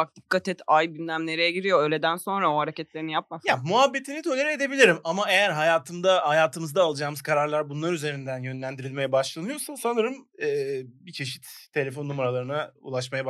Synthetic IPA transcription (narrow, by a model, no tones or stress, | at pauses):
ak̚d̪ikʰːat̪ɛt̪ʰajbinlʲæmnʲe̞ɾejɛɟiɾijo̞øːlʲed̪ænso̞nɾaoɦaɾecɛt̪̚lʲe̞ɾinijap̚majamuɦabːe̞t̪ʰinit̪ʰø̞lʲeɾɛed̪e̞bilʲiɾimamae̞jæɾɦajaːt̪ʰɯmd̪ahajaːt̪ʰɯmɯzd̪aːlˠɯd͡ʒaːmɯz̥kʰaɾaɾlˠaɾbunlˠaɾyze̞ɾind̪ænjø̞nlʲænd̪iɾilʲme̞jɛbaʃlˠanɯjo̞sasanɯɾɯmɛːbit͡ʃʰe̞ʃit̪ʰːe̞lʲe̞fo̞nːumaɾalˠaɾɯnaṵlˠaʃmajab